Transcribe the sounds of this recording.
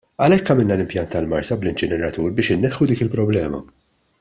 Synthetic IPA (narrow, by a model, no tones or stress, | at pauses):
ɐlɛkːɐmɪlnɐlɪmpjɐnt̪ːɐlmɐɾsɐblɪnt͡ʃɪnɛɾɐt̪uːɾbɪːʃɪnːɛħːud̪iːkɪlpɾɔblɛːmɐ̰